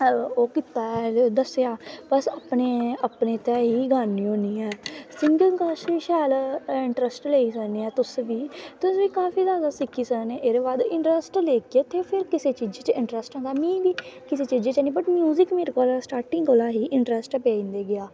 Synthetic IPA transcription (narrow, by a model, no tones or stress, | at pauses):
oːkɪt̪aːɛd̪əseaːpəsəpneːəpneːt̪ɛːɦiːɡaːnːĩːoːniːɛːsɪŋɡəŋkaːʃʃɛːlɪɳʈɾəsʈleːiːsəkneːɛːt̪ʊsʋiːt̪ʊsʋiːkaːfiːzjaːd̪aːsɪkiːsəkneːʔeːɾeːbaːd̪ɪ̃ɳʈɾəsʈleːkeːt̪ʰeːpʰɪɾkɪseːt͡ʃiːd͡ʒeːt͡ʃɪ̃ɳʈɾəsʈɦə̃nd̪aːmĩːbiːkɪseːt͡ʃiːd͡ʒeːt͡ʃɛːniːbəʈmjuːzɪkmiɾkoːlasʈaːʈɪŋɡoːlaːɦiːʔɪɳʈɾəsʈːpeːĩːnd̪eːɡɪaː